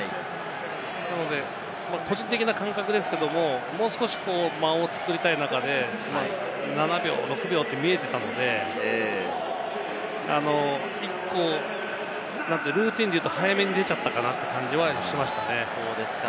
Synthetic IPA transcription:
nano̞d̪e̞ | mako̞d͡ʑĩnt̪e̞kʲinakãŋkakɯ̟d̪e̞sɨ̥ke̞d̪o̞mo̞mo̞ːsɨ̥koɕi̥ko̞ːmaoːt͡sɨ̥kɯ̟ɾʲit̪ainakad̪e̞ | ma | nanabʲo̞̰ːɾo̞kɯ̟bʲo̞ːt̪ːe̞mʲie̞t̪e̞t̪ano̞d̪e̞ | a̰no̞ | ikːo̞ | nãnt̪ːeɾɯ̟ːt̪ʲĩnd̪ejɯ̟t̪o̞hajame̞ɲ̟id̪e̞t͡ɕat̪ːakanat̪ːe̞kãɲ̟d͡ʑiβaɕimaɕi̥t̪ane̞soːd̪es

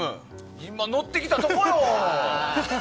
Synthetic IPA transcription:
ɯ | imːano̞t̪ːe̞kʲit̪at̪ookokɾo

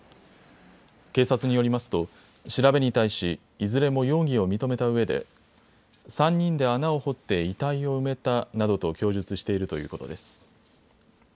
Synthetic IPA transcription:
ke̞ːsat͡sɨɲ̟ijo̞ɾʲimasɨ̥t̪o̞ | ɕiɾabe̞ɲ̟it̪aiɕiː | zɨɾe̞mo̞jo̞ːɡʲio̞mʲit̪o̞me̞t̪aɯ̟e̞d̪e̞̰ | sãɲ̟ːĩnd̪e̞anao̞ho̞t̪ːe̞it̪aio̞ɯ̟me̞t̪anad̪o̞t̪o̞kʲo̞ːʑɨt͡sɨɕi̥t̪e̞iɾɯ̟t̪o̞jɯ̟ːko̞t̪o̞̰d̪e̞sɨ̥

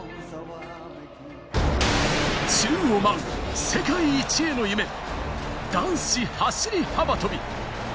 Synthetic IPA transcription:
t͡ɕɨɯomãŋse̞kaiːt͡ɕienoime | d̪̥ãɰ̃ɕihaɕiɾʲihabat̪obʲi

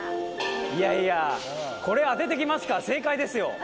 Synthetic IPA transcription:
ijaia | ko̞ɾe̞ad̪e̞t̪̬e̞kʲimasɨ̥kase̞ːkaid̪e̞sɨjo̞̰

